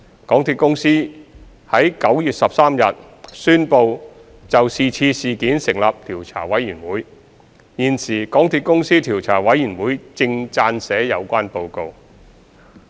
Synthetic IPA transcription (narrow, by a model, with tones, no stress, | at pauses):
kɔː˨˥ŋt̪ʰiː˨˧t̚kʊ˥ŋsiː˥ | hɐ˨˥jkɐ˨˥wjyː˨t̚sɐ˨p̚saː˥mjɐ˨t̚ | syː˥npo˧w | t͡sɐ˨wsiː˨t͡sʰiː˧siː˨˧kiː˨˥nsɪ˨˩ŋlaː˨p̚t̪ʰiː˨˩wt͡sʰa̰ː˨˩wɐ˨˥jyː˨˩nwuː˨˥j | jiː˧nsiː˨˩kɔː˨˥ŋt̪ʰiː˧t̚kʊ˥ŋsiː˥t̪ʰiː˨˩wt͡sʰaː˨˩wɐ˨˥jyː˨˩nwuː˨˥jt͡sɪ˧ŋt͡saː˧nsɛː˨˥jɐ˨˧wkʷaː˥npo˧wko˧w